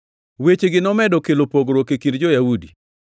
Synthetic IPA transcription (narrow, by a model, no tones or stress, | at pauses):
wet͡ʃeɡɪnɔmɛdɔkelopoɡɾokekindd͡ʒɔjaudi